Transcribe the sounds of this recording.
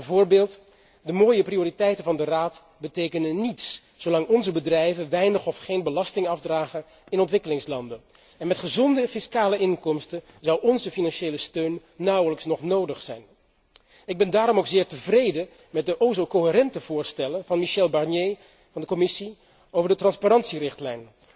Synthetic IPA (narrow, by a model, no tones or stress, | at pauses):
bəvʊːɹbeːlˠt | dəmoːjəprioːritɛjtənvɑndəraːt | bətejkənənːits | sowlɑŋɔnzəbədrɛjvənʋɛjnəχɔfχejnbəlɑstɪŋɑfdraːχən | ɪnɔntʋɪkəlɪŋslɑndən | ɛnmɛtχəzɔndəfɪskaːləɪŋkɔmstən | zʌwɔnzəfinɑnʃejləstøɥnː | ɑwələksnɔχnowdəχsɛjn | ɪɡ̚bɛndaːɾɔmowkz̥ɪːɹtəvrejdə | mɛt̚dəʔoːzowkoɦɪrɛntəv̥ʊːɹstɛlənvɑnmiʃɛlˠbɑrnje | vɑndəkɔmɪsi | owvəɹdətrɑnspaɾɑntsirɪχtlɛjn